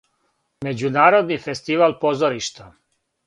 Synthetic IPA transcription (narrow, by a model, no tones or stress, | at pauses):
me̞d͡ʑunaːɾo̞d̪nife̞st̪iʋalpo̞zoɾiʃt̪a